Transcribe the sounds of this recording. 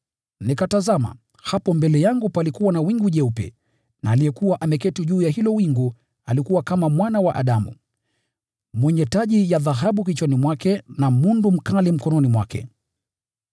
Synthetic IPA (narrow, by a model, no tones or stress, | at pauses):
nikatazama̰ | hapɔmbɛlɛjaŋɡupalikuwanawiŋɡuʄɛupɛ̰ | naːlijɛkuwaʔamɛkɛtuʄuːjaɦilɔwiŋɡu | alikuwakamamwanawaʔaɗamṵ | mwɛɲɛtaʄijaðaɦaɓuk̬it͡ʃwɛnimwakɛnamundum̩kalim̩kɔnɔnimwakɛ̰